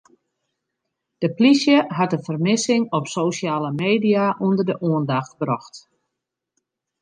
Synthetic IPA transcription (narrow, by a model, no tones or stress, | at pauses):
d̥əplisjəɦat̚əfərmɪsɪŋɔpsoːsjaːləmeːdijaʔundərdəʔuəndaxtbrɔxt